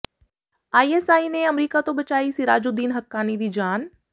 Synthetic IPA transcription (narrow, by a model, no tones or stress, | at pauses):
aːiesaːinẽɐmɾiːkat̪obɐt͡ʃaːisiɾaːd͡ʒod̪iːnɦɐkːaːnid̪iːd͡ʒaːn